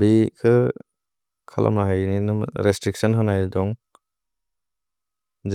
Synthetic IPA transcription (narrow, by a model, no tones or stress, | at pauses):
bikʰɯ | kʰalʔa̰maɦajninɯ̰ɾestɾik̚sɔnɦɯnajdɔŋ | d͡ʒ